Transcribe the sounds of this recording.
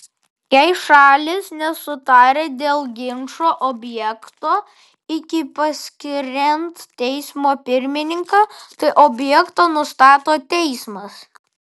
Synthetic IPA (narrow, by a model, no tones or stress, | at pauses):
jɛɪʃɑːlʲɪsnʲɛsʊt̪ɑːɾʲeːd̪ʲeːlˠɡʲɪŋʃoːʔɔbʲjɛkt̪oː | ɪkʲɪpɐsʲkʲɪɾʲɛnt̪t̪ʲɛɪsmoːpʲɪɾʲmʲɪnʲɪŋkɑːt̪ɐɪʔobʲjɛkt̪oːnʊst̪ɑːt̪oːt̪ʲɛɪsmɐs